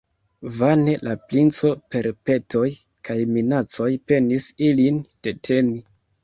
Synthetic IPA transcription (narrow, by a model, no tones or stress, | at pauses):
vane̞lʔaplint͡so̞pe̞ɾpe̞to̞j | kʰajminat͡so̞jpe̞nisilind̥e̞tʰe̞ni